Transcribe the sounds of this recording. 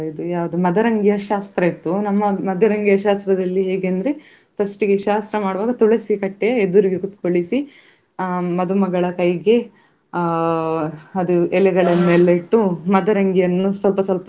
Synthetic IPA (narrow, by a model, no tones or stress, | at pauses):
id̪ujaːʋɐd̪umɐd̪ɐɾɐŋɡijɐʃaːst̪ɾɐit̪ːunɐmːɐmɐd̪ʱjɐɾɐŋɡijɐʃaːst̪ɾɐd̪ɐlːiɦeːɡeːnd̪ɐɾe | pʰɐsʈɨɡeʃaːst̪ɾɐmaːɽuʋaːɡɐt̪uɭɐsikɐʈːɛjɐed̪ːuɾiɡekut̪koɭisi | mɐd̪umɐɡɐɭɐkɐjɡe | ɐd̪uɛlɛɡɐɭɐnːuɛlːɐiʈːumɐd̪ɐɾɐŋɡijɐnːusʋɐlpɐsɐlpɐ